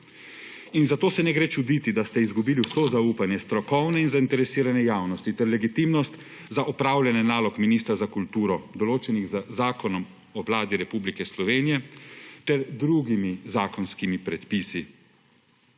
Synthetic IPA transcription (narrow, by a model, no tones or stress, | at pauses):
inzat̪oːsɛnɛɡɾet͡ʃud̪it̪id̪ast̪ɛizɡubiːliwsɔzauːpanjɛst̪ɾɔkɔwnɛinzaint̪ɛɾɛsiːɾanɛjaːwnɔst̪it̪ɛɾlɛɡit̪imnɔst̪ | zaʔɔpɾawlʲjɛnɛnaːlɔkminist̪ɾazakult̪uːɾɔd̪ɔloːt͡ʃɛniɣzəzaːkɔnɔm | ɔʋlaːd̪iɾɛpublikɛslɔʋeːnijɛt̪ɛɾd̪ɾuɡimizaːkɔnskimipɾɛt̪piːsi